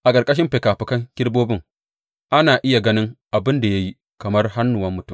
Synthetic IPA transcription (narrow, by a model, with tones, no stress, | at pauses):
ʔa˨kʼɐ˨ɾkʼɐ˦ʃ̬ɪ˦mɸe˨kaː˨ɸɪ˨kɐ˦ŋkʲɪ˦ɽboː˦bɪ˦˨ŋ | ʔa˦naː˨ʔɪ˦ja˨ɡɐ˦nɪ˦ŋʔa˨bɪ˦nda˨ja˦ji˦ | kɐ˨mɐ˦rɦa˦nːʊ˨wɐ˦mːʊ˨tʊ˦˨m